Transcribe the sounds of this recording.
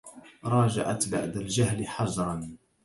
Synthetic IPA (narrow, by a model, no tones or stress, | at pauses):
ɾˤɑːd͡ʒa̰ʕa̰t̪ba̰ʕd̪ald͡ʒahlɪħɑʒɾˤɑn